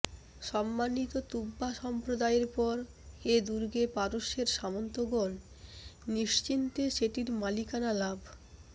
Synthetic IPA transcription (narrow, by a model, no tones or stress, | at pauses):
ʃɔmːanit̪ot̪ubːaʃɔmpɾod̪aeɾpɔɾ | ed̪uɾɡepaɾoʃeɾʃamont̪oɡon | niʃt͡ɕint̪eʃeʈiɾmalikanalabʱ